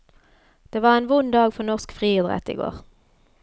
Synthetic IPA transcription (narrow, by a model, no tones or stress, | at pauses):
d̪̥eːʋɑːʁeːnʋʊnd̪ɑːɡfɔʁnɔʁskfʁiːɪd̪ʁɛ̰t̪ḭːɡo̰ːʁ